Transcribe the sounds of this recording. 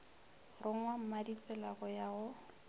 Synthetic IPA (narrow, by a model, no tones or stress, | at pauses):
rʊŋ̩wam̩madit͡sɛlaɣʊjaʊ